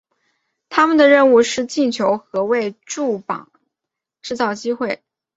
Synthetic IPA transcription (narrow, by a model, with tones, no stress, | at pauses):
t̪ʰa˥mə˨nd̪ə˩ɻə˥˧nu˥˧ʂɻ̩˥˧t͡ɕi˥˩nt͡ɕʰjo˧˥ʊxɤ˧˥we˥˧ɪʈ͡ʂu˥˩pɑ̰˨˩˦ŋ | ʈ͡ʂɻ̩˥˧t͡sɑ˥˩ʊt͡ɕi˥xwe˥˩ɪ